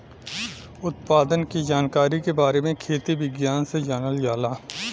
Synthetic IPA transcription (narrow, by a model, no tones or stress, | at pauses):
ʊt̪̚paːd̪ənkid͡ʒaːnkaːɾikebaːɾemẽkʰeːt̪iʋɪɡjaːnsed͡ʒaːnəljaːlaː